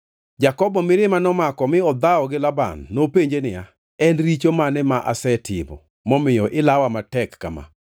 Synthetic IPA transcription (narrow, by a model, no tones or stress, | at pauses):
d͡ʒakɔbɔmɪɾɪmanɔmakɔmɪɔd̪aɔɡɪlaba̰nːopeɲd͡ʒenɪja | ɛnɾit͡ʃomanɛmaʔa̰sɛtʰɪbɔ̰ | mɔmɪjɔʔɪlawamatɛkːa̰ma̰